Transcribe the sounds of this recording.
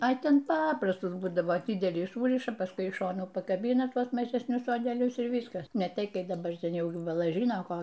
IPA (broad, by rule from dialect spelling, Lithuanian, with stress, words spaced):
ɐ ˈtʲɛn ˈpɑːprɐstʊs ˈbuːdɐʋoː ˈdʲɪdʲɛlʲiː ˈsuːrʲɪʃɐ pɐˈskʊɪ ɪʃ ˈʃoːnuː pɐkɐˈbʲiːnɐ ˈtuɔs mɐʒʲɛsʲˈnʲʊs soːdʲɛˈlʲʊs ɪr ˈʋʲiːskɐs nʲɛ ˈtʲɛɪ ˈkɐɪ dɐˈbɐr ˈtʲɛn ˈjɛʊ ˈjuː bɐˈlˠɐ ˈʒʲiːnoː ˈkoː